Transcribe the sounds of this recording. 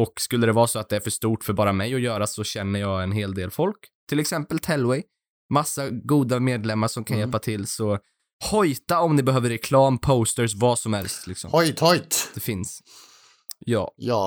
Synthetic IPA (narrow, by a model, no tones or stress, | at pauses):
ɔkskɵlːəd̪ɛvɑːsɔat̪̚d̪ɛæɾfœʂt̪uːʈfœɾbɑːɾamɛjɔjœːɾasɔɕɛnːəjɑːɡɛnɦeːld̪eːlfɔlkt̪ʰːɪlɛksɛmpəlt̪ʰɛlwɛj | masːaɡuːd̪ameːd̪lɛmːaʂɔmkʰanjɛlpat̪ʰɪlːsɔ | hɔjt̪aɔmnɪbɛɦøːvəɾːɛkʰlɑːmpʰoʊst̪əs̬vɑːsɔmhɛlst̪lɪksɔ̰mhɔjt̪hɔjt̪d̪ɛfɪns | jɑ̰ːjɑː